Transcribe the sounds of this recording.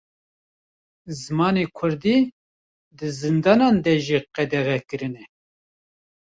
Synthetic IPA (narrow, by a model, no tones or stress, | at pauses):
zɨmɑːneːkʰʊɾd̪iː | d̪ɨzɨnd̪ɑːnɑːnd̪ɛʒiːqɛd̪ɛɣɛkɨɾɨnɛ